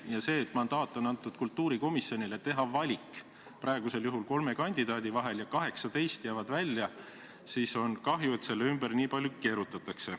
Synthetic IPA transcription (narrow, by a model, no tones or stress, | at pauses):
jɑse̞ːt̪ːmɑnd̪ɑːt̪ːˑo̞nɑnt̪ːˑud̪̥kult̪ːˑuːɾiko̞misjonʲilet̪e̞ɦɑvɑlʲikːˑ | pɾɑeɡ̥use̞ljuɦulko̞lme̞kɑnʲd̪̥id̪ɑːd̪̥ivɑɦe̞ljɑkɑɦe̞ksɑt̪e̞jst̪jæːvɑd̪vælʲːjɑ | siːso̞nkɑɦjue̞t̪se̞lːeymbəɾniːpɑljuke̞ːɾut̪ːˑɑt̪ːˑɑkse̞